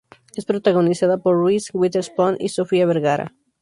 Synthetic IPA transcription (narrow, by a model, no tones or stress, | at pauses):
espɾot̪aɣo̞nisaðapoɾːwiswit̪eɾsponʔḭsofiaβeɾɣaɾa̰